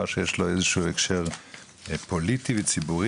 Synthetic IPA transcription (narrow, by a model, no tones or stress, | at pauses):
aʃejeʃloezeʃuːekʃeʁ | po̞litivet͡sibuʁ